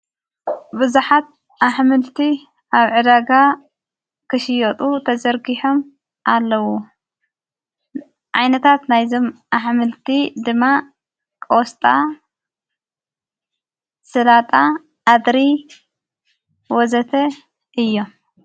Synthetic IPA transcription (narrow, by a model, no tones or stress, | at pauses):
bɨzuħat̪̚ | aħmɨlt̪ʰi | aβʕɨd̪aɡa | kʰɨʃɪjɔt̪ʼut̪ʰɐzɐɾɡiħom | ʔalːɐwu | ʕajnɐt̪ʰat̪najzo̞mʔaħmɨlt̪ʰid̪ɨmːa | kʼost̪ʼa | sɨlat̪ʼaː | d̪ɾi | wɔzɐt̪ʰɐ | ɨjːo